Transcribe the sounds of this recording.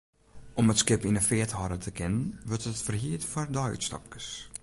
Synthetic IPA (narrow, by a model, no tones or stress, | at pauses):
ʔɔmətskɪpinəfɪəthɔɾətʰəkʰɪnənʋørtətfərhiətfɔrdɔ̰tstɑ̰p̚kə̥s